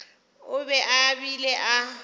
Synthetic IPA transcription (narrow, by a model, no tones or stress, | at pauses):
ʊbɛʔabilɛʔa